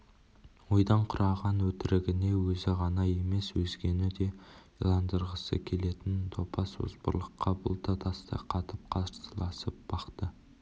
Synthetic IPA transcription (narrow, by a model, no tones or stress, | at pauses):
wo̞jd̪ɑɴqʰʊɾʔɑʁɑnwɵt̪ɪɾɪɡʲɪne̞wɵzɪʁɑnɑje̞me̞swɵzɡʲe̞nɪd̪e̞jlˠɑnd̪əɾʁəsə̰kʲʰe̞le̞t̪ɪnt̪ʰo̞pɑso̰zbə̰ɾlˠəqʰːɑbʊ̰lˠt̪ʰɑt̪ʰɑst̪ɑ̰qʰɑt̪əp̚qʰɑzəɾsəlˠɑsəp̚b̥ɑqt̪ə